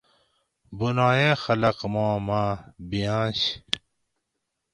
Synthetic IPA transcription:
bunaːjẽːxɐlɐqmõːmãːbijãːɕ

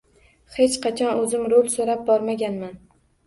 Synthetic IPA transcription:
het͡ʃqʰɑt͡ʃʰɒnɵzɪmɾolsoɾap̚bɒɾmaɡʲanman

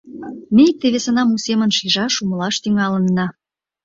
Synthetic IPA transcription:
mʲeik̚t̪eβesə̆nɑmusemə̆nʃiʒɑʃumə̆lɑʃt̪yŋɑlə̆nːɑ

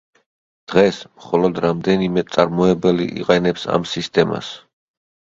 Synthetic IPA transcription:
d̪̥ʁɛsmχɔlɔd̪ɾamd̪ɛnimɛt̪sʼaɾmɔɛbɛlḭʔḭqʼɛnɛpsa̰msist̪ʼɛma̰s

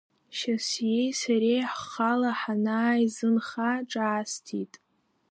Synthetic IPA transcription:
ʃasjejsaɾejħχalaħanaːjzɨnχaʈ͡ʂʼaːstʰitʼ

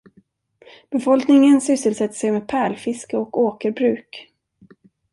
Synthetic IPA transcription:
b̥ɛfɔlknɪŋənsʏsːəlsɛt̪ːə̥ʂɛjmeːd̪̚pʰæːɭfɪskəɔkoːkəɾbɾʉ̟ːk

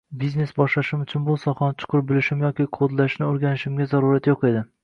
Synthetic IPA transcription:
bizne̞sbɒʃlaʃɪmʊt͡ʃʰʊnbosɒχɒnt͡ʃʰʊ̥qʰʊɾ̚bɪlɪʃɪmjɒkʲiqʰod̪laʃnɪoɾɡʲanɪʃɪmɡʲazaɾuɾat̪joqe̞d̪ɪ

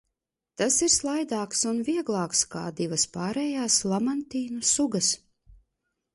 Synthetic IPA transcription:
t̪asiɾslˠajd̪aːksunvʲiɛɡlˠɑːkska̰ːd̪ivɐspaːɾɛjaːslˠamant̪iːnusuɡɐs

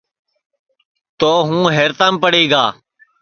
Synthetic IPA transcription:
t̪oːɦũːɦeːɾt̪ãːmpəɽeːɡaː

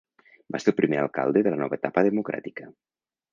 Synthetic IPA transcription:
baseɾpɾimealˠka̰lˠd̪eðəlanɔβaet̪apaðemukɾa̰t̪ika

